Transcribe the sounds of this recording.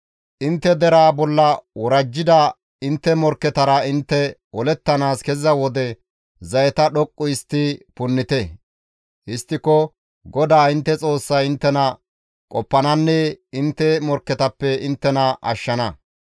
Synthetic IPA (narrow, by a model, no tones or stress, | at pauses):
ʔɪnt̪ːɛd̪ɛɾaːbɔlːɐwɔɾɐd͡ʒːɪd̪ɐ | ɪnt̪ːɛmɔɾkːɛt̪ɐɾɐɪnt̪ːɛwɔlɛt̪ːɐnaːskɛzɐwɔd̪ɛ | zɐjɛt̪ɐɗɔkʼːʊjɪst̪ːɪpʊnːɪt̪ɛ | hɪst̪ːɪkɔ | ɡɔd̪aːɪnt̪ːɛt͡sʼo̞ːsːɐjɪnt̪ːɛnɐ | kʼɔpːɐnɐnːɛɪnt̪ːɛmɔɾkːɛt̪ɐpːɛɪnt̪ːɛnɐʔɐ̰ʃːɐnɐ